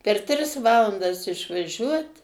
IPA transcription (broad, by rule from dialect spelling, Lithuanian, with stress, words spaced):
pʲɛr ˈtʲrʲɪs ˈʋɑːlˠɐndɐs ɪʃʋɐˈʒʲuɔt